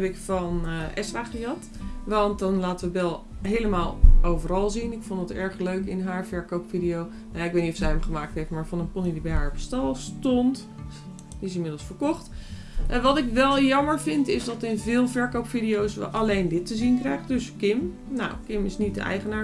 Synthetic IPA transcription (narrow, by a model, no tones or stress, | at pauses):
ɛbɪkfɑnʔɛsraːχijɑt | ʋɑnt̚dɑnlaːtəʋəbɛlˠ | ɦejləmaːlˠʔowvərɑlˠzinɪkfondətɛɹχløɥkɪnɦaːɹvɛɹkowpfidijow | najaɪkʋejtnitɔfsɛjɛmχəmaːk̚tɦeftmaːɹvɑnənpɔnidibɛjɦaːɹɔpstɑlˠstont | ɪs̬ɪnmɪdəlˠsfəɹkɔχt | ʋɑtɪkʋɛlˠjɑməɹvɪntɪsdɑtɪnvɪːlˠvɛɹkowpfidijowsʋə̰ʔalejndɪtəzinkrɛjχdøskɪm | na̰wkɪmɪsnit̚də̰ʔɛ̰jχənaː